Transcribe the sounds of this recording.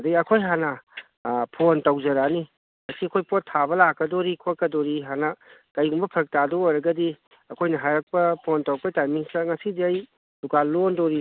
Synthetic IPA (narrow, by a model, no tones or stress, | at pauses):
dɐɡiɐkʰojɦanɐ | pʰontɐwzɐɾani | ŋɐsiɐkʰojpotʰːabɐlakːɐdoɾikʰoɾkɐdoɾiɦanɐkɐjɡumbɐpʰɾɐk̚tadɔojɾɐɡɐdi | ɐkʰojnɐɦajɾɐk̚pɐpʰontɐwpɐtajmiŋsɐŋɐsidiɐj | lukalondoɾi